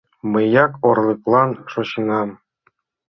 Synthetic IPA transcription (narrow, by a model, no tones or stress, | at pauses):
mɘ̆jɑkorlˠɤ̆klˠɑnʂŏɕɤnɑm